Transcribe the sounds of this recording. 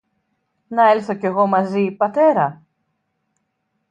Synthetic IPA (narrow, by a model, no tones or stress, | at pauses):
nɐelθo̞ce̞ɣo̞mɐzipɐt̪e̞ɾɐ